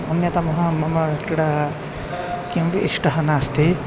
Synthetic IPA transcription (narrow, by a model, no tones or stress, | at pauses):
unjɐt̪ɐmɐɦɐ̃mɐmɐkiɽɐ | kimʋiʔiʂʈɐɦɐnaːst̪i